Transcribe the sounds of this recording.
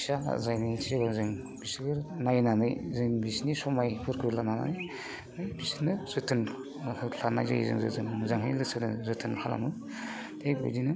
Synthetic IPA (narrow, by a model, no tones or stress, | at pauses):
sana̰zajnɯibazɯŋ | b̥isɯɡɯɾnajnanɯjzɯbisnisɔmajpʰɯɾkʰɯɾlanana̰j | nɯjbisɯnɯzɯtʰɯn | hɯɬanajza̰j̰zɯ̰ŋzɯ̰tʰɯnzaŋɦɯjlɯsɯnɯzɯtʰɯnhʰala̰mɯ | dejbṵjdinɯ